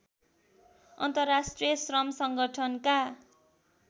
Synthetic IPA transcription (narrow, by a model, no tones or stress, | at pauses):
ʌ̰nt̪ʌrasʈrijʌsrʌmsʌŋɡʌʈʰʌnka